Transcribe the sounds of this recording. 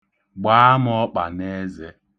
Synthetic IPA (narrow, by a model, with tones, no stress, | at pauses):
ɡ͡ba˨˦a˦m˦ɔ˦k͡pa̰˨ne˦ze˦